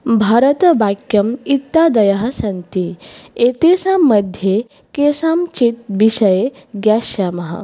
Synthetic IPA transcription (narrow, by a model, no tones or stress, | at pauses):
bʱaɾət̪əʋakjɐmit̪ːad̪ɐjaɦɐsɐnt̪iet̪esamːəd̪ʱje | kesamt͡ʃit̪̚ʋiʃɐje | ɡjaɕjamɐɦɐ̰